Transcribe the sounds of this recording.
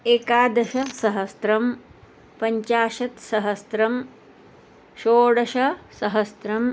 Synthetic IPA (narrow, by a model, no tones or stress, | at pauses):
eːkaːd̪ɐʃɐsɐɦɐst̪ɾɐm | pɐɲt͡ʃaːʃɐt̪sɐɦɐst̪ɾɐm | ʃoːɽɐʃɐsɐɦɐst̪ɾɐm